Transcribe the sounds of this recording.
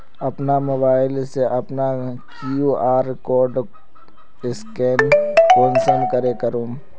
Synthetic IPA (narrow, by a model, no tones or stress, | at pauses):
ɐpnamobaːɪlseʔɐpnakuʔaːɾkɔːɾɖ | ɪskeːnkoːnsənkəɾekəɾũː